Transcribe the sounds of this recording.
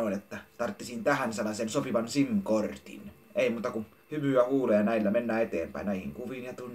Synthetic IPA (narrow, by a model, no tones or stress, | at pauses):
oˑinet̪ːæt̪ɑrt̪ːesint̪æhænselːˑɑˑsensopiʋɑnsimkort̪ḭn | eˑimuːt̪ɑku | hymyæhuːleːjɑnæˑilːæmenːæːet̪ḛːmpæ̰ˑinæˑihḭŋkuʋiːnjɑt̪unː